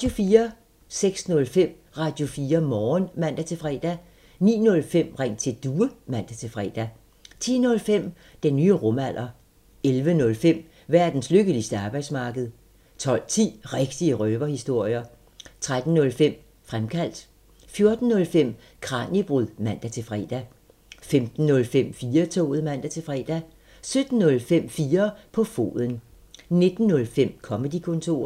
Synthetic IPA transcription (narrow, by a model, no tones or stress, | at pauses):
ɑd̥jo̝fiːɐ | seɡ̥snɔ̽lfem̰ | ʁɑ̈ːd̥jo̝fiːɐmɒːnmæn̰d̥æt͡sʰe̝fʁɛ̰ːd̥æ | nḭːnɔ̽lfem̰ʁeŋ̰t͡sʰe̝d̥uːəmæn̰d̥æt͡sʰe̝fʁɛ̰ːd̥æ | t͡sʰḭːnɔ̽lfem̰ | d̥enːyːʁɔ̽mæl̰ʔɐ | elʋənɔ̽lfem̰ | ʋæɐ̰d̥n̩sløɡ̥əlisd̥əɑ̈ːb̥ɑ̈ɪ̰̥smɑ̈ːɡ̥əð̞̩ˠ | t͡sʰɒ̽l̰t͡sʰḭːʁeɡ̥d̥iəʁœːb̥ɐhisd̥o̝ɐ̰jɐ | t͡sʰʁad̥n̩ːɔ̽lfem̰ | fʁamkʰæl̰d̥ | fjo̝ɐd̥n̩ːɔ̽lfem̰ | kʰʁɑ̰̈ːnib̥ʁuðˠmæn̰d̥æt͡sʰe̝fʁɛ̰ːd̥æ | femd̥n̩ːɔ̽lfem̰fiːɐt͡sʰo̰ːð̞̩ˠmæn̰d̥æt͡sʰe̝fʁɛːd̥æ | sød̥n̩ːɔ̽lfem̰fiːɐpʰɒ̽fo̝̰ːðˠən | ne̝d̥n̩ːɔ̽lfem̰kʰɒ̽məd̥ikʰɔ̽nt͡sʰo̝ːɐ̰